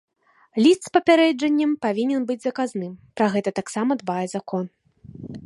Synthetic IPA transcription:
lʲist̪spɐpʲaɾɛd͡ʐɐnʲːɐmpavʲinʲɛnbɨd͡zʲzɐkaznɨmpɾaɣɛt̪ɐt̪aksamɐd̪bajɛzakɔn

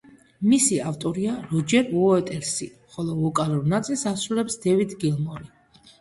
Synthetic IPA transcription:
misiaft̪ʼɔɾiaɾɔd͡ʒɛɾuɔɛt̪ʼɛɾsi | χɔlˠɔvɔkʼaluɾnat̪sʼilˠsasɾulɛpsd̪̥ɛvid̪ɡilˠmɔɾi

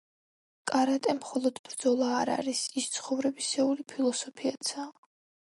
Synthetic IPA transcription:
kʼaɾat̪ʼɛmχɔlˠɔd̪̥bɾd̪zɔlˠaːɾa̰ɾisist̪sʰχɔvɾɛbisɛulipʰilˠɔsɔpʰiat̪sʰa

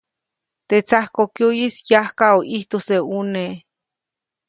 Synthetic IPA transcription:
t̪et͡sahkokjujisjahkaoʔiht̪oseune

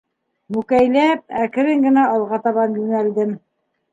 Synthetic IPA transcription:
mʉkæjlæp̚ækɘ̆ɾɘŋɡɘ̆næɑlˠʁɑt̪ɑβɑnjʉŋæld̪ɘm

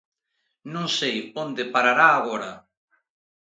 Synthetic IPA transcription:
nõŋsejond̪ɪpaɾaɾaːɣ̞ɔɾa

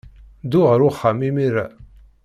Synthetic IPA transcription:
d̪ʊʁəɾʊχamimiɾæ

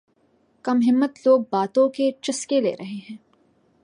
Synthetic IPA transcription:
kɐmɦɪmːət̪loːɡ̚baːt̪õket͡ʃɪskelḛːɾʔɐɦeɦɛ̃ː

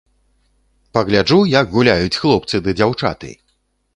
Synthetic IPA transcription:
pɐɣlʲad͡ʐujaɡɣulʲajut͡sʲxlˠɔp̚t̪sɨd̪ɨd͡zʲawt͡ʂa̰t̪ɨ̰j

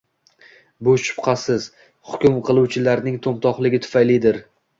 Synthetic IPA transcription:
bʊʃʊ̥pqʰɑsɪz̥ | hʊkʲʊmqʰɨlˠuwt͡ʃʰɪlaɾnɪŋt̪ʰomt̪ʰɒχlˠɪɡʲɪt̪ʰʊ̥fajlɪd̪ɪɾ

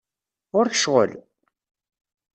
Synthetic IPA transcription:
ʊɾçə̥ʃʁə̰l

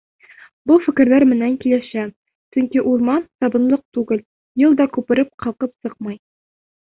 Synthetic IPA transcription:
bufɘ̆kɘ̆ɾlæɾmɘ̆næŋkilɘɕæ | sɵŋkiʔuɾmɑnsɒbɤ̆nlˠɤq̚t̪ʉɡɘl | jɤlˠd̪ɒkʉpɘ̆ɾɘp̚qɑlˠqɤpsɤqmɑj

